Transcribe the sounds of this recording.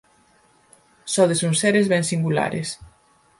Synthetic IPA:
sɔðesuŋseɾezβɛŋsiŋɡula̰ɾḛs

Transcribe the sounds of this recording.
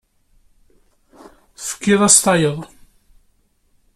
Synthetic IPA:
θfə̥kːɪðˤɑst̪ɑjəðˤ

